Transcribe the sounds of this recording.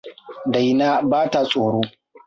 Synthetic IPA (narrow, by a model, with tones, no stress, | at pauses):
da˨jnaː˦baː˦ta˦sʼoː˨ɽoː˦